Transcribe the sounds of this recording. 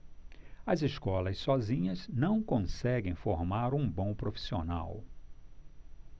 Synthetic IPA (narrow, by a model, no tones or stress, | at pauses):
ɐzeskɔlɐssɔzĩɲɐznɐ̃w̃kõsɛɡẽj̃foɾmaɾũbõw̃pɾofi̥siona̰w